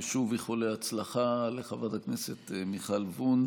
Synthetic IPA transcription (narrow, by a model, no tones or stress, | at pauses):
ʃuvjiχoleat͡slaχaleχavat̪hakneset̪miχalvun